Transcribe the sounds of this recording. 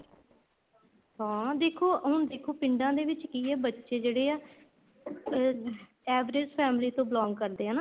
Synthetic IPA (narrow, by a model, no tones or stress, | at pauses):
hãːd̪eːkʰoːɦʊɳd̪eːkʰoːpɪɳɖãːd̪eːʋɪt͡ʃkiːɛːbətːʃeːd͡ʒeːɽeːaː | ɛːʋɾɪd͡ʒpʰɛːmliːt̪õːblɔ̃ːŋɡkəɾd̪eːɦaːnaː